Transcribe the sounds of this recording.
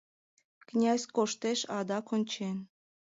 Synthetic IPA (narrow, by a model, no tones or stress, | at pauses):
knʲæzʲkoʃt̪eʃɑd̪ɑkonʲt͡ɕen